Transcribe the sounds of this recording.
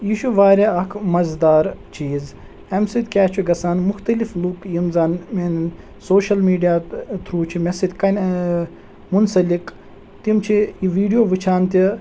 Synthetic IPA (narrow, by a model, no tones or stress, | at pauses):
jiʃuʋaːɾʲeɐkʰmɐzd̪aːɾt͡ʃiːz | ɐmsid̪ʲkʲaːt͡ʃʰuɡɐsaːnmʊxt̪ɐliflukjimzaːnmen | soːʃɐlmiːɖijaːt̪ʰɾuːt͡ʃʰimesid̪kɐnʲ | munsɐlik | t̪imt͡ʃʰiʋiːɖijoːʋit͡ʃʰaːnt̪i